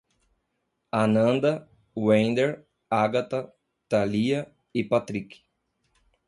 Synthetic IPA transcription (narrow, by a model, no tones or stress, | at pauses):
anɐ̃nd̪ɐ | wẽnd̪eɾ | aɡat̪ɐ | t̪aliɐ | ɪpat̪ɾikɪ̥